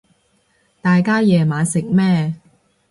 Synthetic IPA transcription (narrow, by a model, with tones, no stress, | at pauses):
t̪aː˨jkaː˥jɛː˨maː˨˧sɪ˨k̚mɛː˥˩